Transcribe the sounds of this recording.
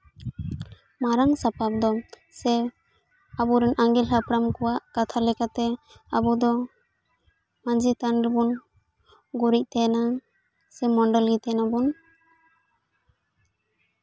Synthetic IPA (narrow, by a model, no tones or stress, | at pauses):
maɾaŋsapap̚d̪ɔ | sɛ | abuɾɛnʔaŋɡilɦapɾamkuwaʔkat̪ʰalɛkat̪ɛ | abud̪ɔ | mand͡ʒit̪anɾbun | ɡuɾic̚t̪ɛna | sɛmɔɳɖɔlɡit̪ɛnabun